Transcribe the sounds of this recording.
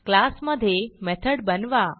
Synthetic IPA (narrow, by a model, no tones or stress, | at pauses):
klasməd̪ʱjemɛt̪ʰəɽbənʋa